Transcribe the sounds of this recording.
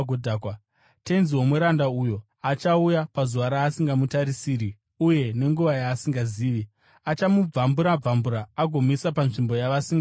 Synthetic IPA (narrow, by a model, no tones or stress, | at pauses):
odʱakwa | te̞nziwo̞mweɾandaujo̞ | at͡ʃaujapazuʋaɾaːsiŋɡamutaɾisiːri | uje̞ne̞ŋɡuʋajaːsiŋɡaziːʋi | at͡ʃamub͡vambuɾab͡vambuɾaːɡʱomisapanʐimbo̞jaʋasiŋɡa